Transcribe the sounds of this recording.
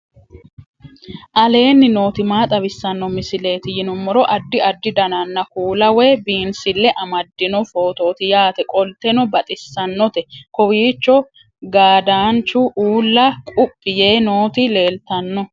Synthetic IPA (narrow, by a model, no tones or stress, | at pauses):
ʔɐle̞ːnːɪno̞ːt̪ɪmaːt̪ʼɐbɪsːɐnːɔmɪsɪle̞ːt̪ɪjɪnʊmːɔɾɔʔɐd̪ːɪɐd̪ːɪd̪ɐnɐnːɐkuːlɐwɛbiːnsɪlːɛʔɐmɐd̪ːɪnɔfo̞ːt̪o̞ːt̪ɪjaːt̪ɛkʼɔlt̪ɛnɔbɐt̪ʼɪsːɐnːɔt̪ɛkɔwiːt͡ʃːɔ | ɡaːd̪aːnt͡ʃːʊʔuːlːɐkʼʊpʼːɪjeːno̞ːt̪ɪle̞ːlt̪ɐnːɔ